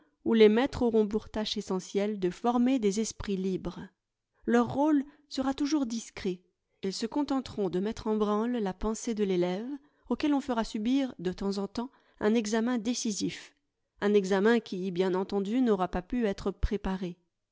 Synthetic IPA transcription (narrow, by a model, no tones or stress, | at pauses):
ulemɛt̪χoʁɔ̃p̬uʁt̪aʃesɑ̃sjɛld̪əfɔʁmed̪ezɛspχilibʁ | lœʁːol | səʁat̪uʒuʁd̪iskχe | ilsəkɔ̃t̪ɑ̃t̪χɔ̃d̪əmɛt̪χɑ̃bʁɑ̃lːapɑ̃sed̪əlelɛv | okʲɛlɔ̃fəʁasybiʁd̪ət̪ɑ̃zɑ̃t̪ɑ̃ | ʔɛ̃nɛɡzamɛ̃d̪esizif | ɛ̃nɛɡzamɛ̃kʲibjɛ̃nɑ̃t̪ɑ̃d̪ynɔʁapapyɛt̪χəpχepaʁe